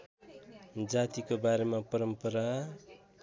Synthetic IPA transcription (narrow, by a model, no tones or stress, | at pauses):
d͡zat̪ikobaɾemapʌɾʌmpʌɾa